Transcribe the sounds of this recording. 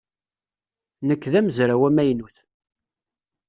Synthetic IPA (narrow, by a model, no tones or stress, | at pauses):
nəkːðæməzɾæwæmæjnuθ